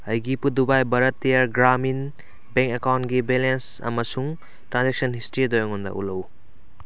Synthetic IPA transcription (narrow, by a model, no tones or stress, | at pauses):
ɐjɡipudubajbɐɾɐtːijaɾɡɾamin | beŋkekawntɡibelens | ɐ̰mɐsuŋ | tɾanzek̚sɐnhistɾidojoŋundɐ̰ʔṵlɐw